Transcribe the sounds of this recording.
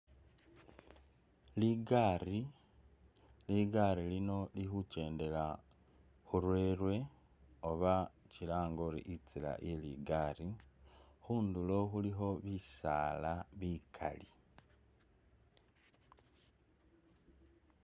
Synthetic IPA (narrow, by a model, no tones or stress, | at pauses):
liɡaːri | liɡaɾilino̞lixuce̞ːnde̞la | xuɾwe̞ːrwe̞ | o̞βacilaːŋɡo̞ɾḭʔit͡sila̰ʔelḭɡari | xuːnduloxuliɦo̞βisaːlaβikʰa̰li